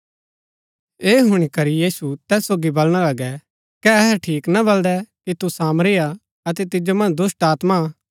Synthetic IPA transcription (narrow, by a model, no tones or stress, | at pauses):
eːɦʊɽ̃ikɐɾijiːsut̪ɛːsːoːɡibɐlɽ̃alɐɡɛ | kɛɐɦʈʰiːknɐbɐld̪ɛkit̪usaːmɾɪːja | ɐt̪ɛt̪ɪd͡ʒomɐ̃nd͡ʒd̪ʊsʈaːt̪ma